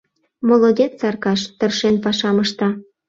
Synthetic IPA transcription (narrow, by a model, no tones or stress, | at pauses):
molod̪ʲet̪t͡sɑrkɑʃt̪ərʃenpɑʃɑməʃt̪ɑ